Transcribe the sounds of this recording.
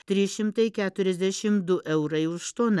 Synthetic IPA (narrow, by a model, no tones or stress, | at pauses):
t̪ʲɾʲiːsʃʲɪmt̪ɐɪkʲæːt̪ʊɾʲɛzʲd̪ʲæʃʲɪmd̪ʊʔɛʊɾɐɪʊʃt̪oːn